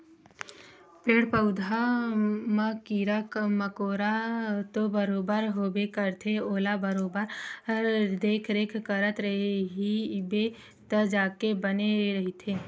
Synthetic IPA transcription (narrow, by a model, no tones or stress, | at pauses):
peːɽpəʊd̪ʱa | makiɾəkməkoːɾat̪obəɾoːbəɾɦoːbekəɾt̪ʰeoːlabəɾoːbəɾəɾd̪eːkʰɾeːkʰkəɾət̪ɾəɦeɦibe | t̪əd͡ʒaːkebəneɾɐɦit̪ʰeː